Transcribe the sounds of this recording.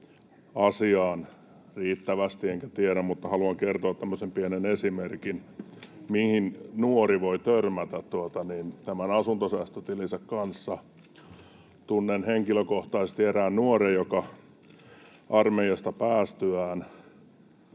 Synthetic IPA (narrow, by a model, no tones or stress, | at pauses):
ɑsiɑːn | riːt̪ːæʋæst̪ieŋkæt̪ieɾæmmut̪ːɑhɑluɑŋkert̪oɑt̪t̪ːæmːøsempienenesimerkinmihinnuoriʋoit̪ørmæt̪æt̪t̪uot̪ɑnint̪æmænɑsunt̪osæst̪ot̪ilisɑkkɑnsːɑ | t̪unːenheŋkiløkoht̪ɑisest̪ieɾæːnnuorejokɑ | ʔɑrmeiɑst̪ɑpæːst̪yæːn